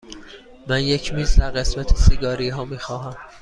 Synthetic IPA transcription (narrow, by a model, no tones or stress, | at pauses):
mænje̞cʰmiːzd̪æɾɢe̞smæt̪ʰesiɡɒːɾiːɦɒːmiːxɒːɦæm